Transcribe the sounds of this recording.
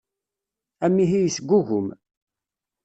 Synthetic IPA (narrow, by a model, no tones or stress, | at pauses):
æmːiɦijisɡʷːuʝʊm